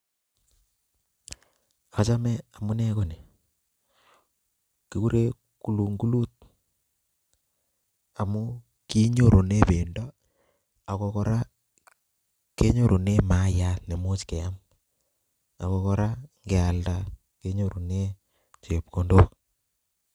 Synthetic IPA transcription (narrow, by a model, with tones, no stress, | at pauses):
a˨t͡ʃa˦mɛ˦a˨mu˦nɛ˦ko˦˨ne˨ | ki˨ku˦ɾe˦ | ku˨lu˨ŋɡu˦lu˦t̚ | a˨mu˦ | ki˦ɲo˦ɾo˨ne˦pe˨ndɔ˦ | a˨kɔ˦kɔ˦ɾa˦ | ke˦ɲo˦˨ɾʔo˨ne˦ma˦ja˨ne˨mu˦t͡ʃke˨a˦m | a̰˨kɔ˦kɔ˦ɾa˦ŋɡɛ˨a˨lda˨ | ke˦ɲo˦ɾo˨ne˦ | t͡ʃe˨p̚ko˨ndo˦